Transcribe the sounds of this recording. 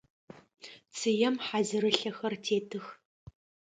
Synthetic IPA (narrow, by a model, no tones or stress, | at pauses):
t͡sʰɨjɛmħazɨɾɨɬɐxɐrtʰeːtʰɨx